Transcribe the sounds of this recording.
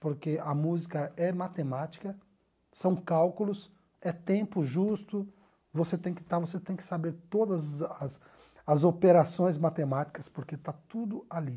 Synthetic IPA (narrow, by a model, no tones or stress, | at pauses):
poɾkeɐmuzikɐɛmat̪emat͡ʃi̥kɐ | sɐ̃w̃kawkulʊs | ɛt̪ẽmpʊʒust̪ʊ | voset̪ẽj̃kɪ̥t̪aɾvoset̪ẽj̃kɪ̥sabeɾt̪od̪ɐzɐs | ɐzopeɾasõj̃zmat̪emat͡ʃi̥kɐspoɾket̪at̪ud̪ʊali